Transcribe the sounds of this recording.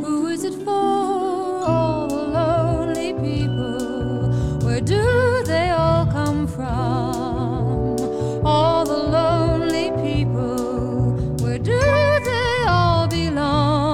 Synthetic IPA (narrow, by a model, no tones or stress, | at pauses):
huɪzɨtfə | ɔlˠðəlõʊ̃nlipʰipl̩ˠ | wə˞dɨðeɪɔlˠkʰʌ̃ɱfɹʌ | m | ɔlˠðəlõʊʊ̃nlipʰipl̩ˠ | wə˞dɨðeɪ | ɔlˠbilɔ